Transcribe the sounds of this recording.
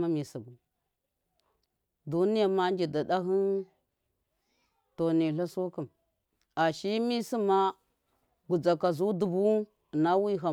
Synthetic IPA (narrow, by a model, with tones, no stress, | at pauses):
ma˦mi˨si˨ɡu˨ | du˦ni˦ja˨ma˦n˦d͡ʒi˨da˨da˦ɦi˦n | to˨ni˨ɬa˦so˦kə˨m | a˨ʃi˦mi˦si˦ma˦ | ɡu˨d͡za˨ka˨zu˦du˨bu˦˨ | na˦wi˦ɦa˨